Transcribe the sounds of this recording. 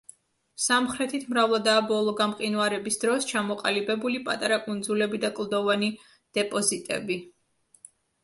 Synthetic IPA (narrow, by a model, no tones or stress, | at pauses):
samχɾɛt̪ʰit̪ʰmɾavlˠad̪aːbɔlˠɔɡamqʼinuaɾɛbisd̪ɾɔst͡ʃʰamɔqʼalibɛbulipʼat̪ʼaɾakʼund̪zulɛbid̪akʼlˠd̪ɔvani | d̪̥ɛpʼɔzit̪ʼɛ̰bi